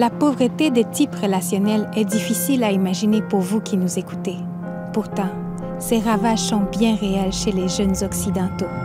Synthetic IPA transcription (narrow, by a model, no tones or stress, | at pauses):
lapovʁət̪ed̪et̪ipʁəlasjɔnɛlɛd̪ifisilaimaʒinepuʁvukʲʰinuzeku̥t̪e | puʁt̪ɑ̃ | seʁavaʒsɔ̃bjɛ̃ʁeɛlʃeleʒœnzɔksid̪ɑ̃t̪o